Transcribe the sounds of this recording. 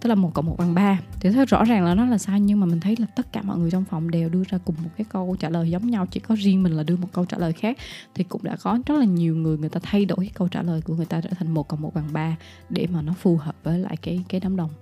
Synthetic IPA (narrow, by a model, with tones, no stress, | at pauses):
t̪ə˦˥klaː˨˩mo˨˩t̚kɔ̰˧˩wmo˨˩t̚ɓaː˨˩ŋɓaː˧i˨˩t̪ʰɨ˨˦k̚zɔ̰˧˥zaː˨˩ŋlaː˨˦nɔ˨˦laː˨˩saː˧wɲɨ˧ŋmaː˨˩mï˨˩ŋ̟t̪ʰjlaː˨˩t̪ə˦˥t̚kaː˧˩mɔ̰˧˨ŋɨ˨˩əjt͡ɕɔ˧wŋ͡mfa˨˩wŋ͡mɗe˨˩wɗɨ˧əzaː˧kʊ˨˩ŋ͡mmo˨˩kaː˨˦jkə˧wt͡ɕaː˧˩ləː˨˩jzə˨˦wŋ͡mɲa˧wt͡ɕi˧˩kɔ˨˦zi˧ənmï˨˩ŋ̟laː˨˩ɗɨ˧əmo˨˩t̚kə˧wt͡ɕaː˧˩ləː˨˩jxaː˦˥k̚t̪ʰi˨˩kʊ̰˧˥ŋ͡mɗa̰ː˧˥kɔ˨˦zə˦˥laː˨˩ɲi˨˩əwŋɨ˨˩əjŋɨ˨˩əjt̪aː˧t̪ʰa˧jɗo˧˩jkaː˨˦kə˧wt͡ɕa̰ː˧˩ləː˨˩jku˧˩əŋɨ˨˩əjt̪aː˧t͡ɕa̰ə̰˧t̪ʰa˨˩jŋmo˨˩t̚kə˧˩wŋ͡mmo˨˩t̚ɓaː˨˩ŋɓaː˧ | ɗe˧˩maː˨˩nɔ˨˦fu˨˩həː˨˩p̚vəː˨˦jla̰ː˧˨jkaː˨˦jkaː˨˦jnaː˨˦mɗə˨˩wŋ͡m